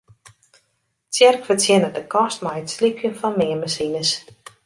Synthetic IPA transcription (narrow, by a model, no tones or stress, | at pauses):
tjɛrkfərtʰjɪnədəkʰɔstmajətslipʰjənfɔnmɪəməsinəs